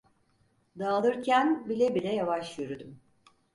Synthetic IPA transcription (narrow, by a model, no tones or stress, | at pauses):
d̪aːlˠɯɾcʰænbilʲɛbilʲɛjavaʃjyɾyd̪ym